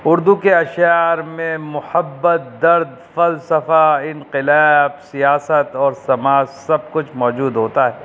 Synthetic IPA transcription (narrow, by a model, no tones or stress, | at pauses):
ʊɾd̪ukeɐʃjaːɾmẽmʊhəbːət̪̚d̪ɐɾd̪fɐlsɐfaɪ̃nqɪlɛbsijaːsət̪ɔːɾsɐmaːzsɐb̚kʊt͡ʃʰmɔːd͡ʒuːd̪ɦoːt̪aɦɛː